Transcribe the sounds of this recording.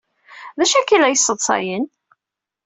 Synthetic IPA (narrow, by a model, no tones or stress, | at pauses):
ðæʃækːilæjəsət͡sːˤɑ̰jən